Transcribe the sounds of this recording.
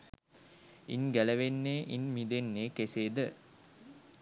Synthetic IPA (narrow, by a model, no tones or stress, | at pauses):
ḭnɡæləʋenːeːʔinmid̪enːeːkeseːd̪ə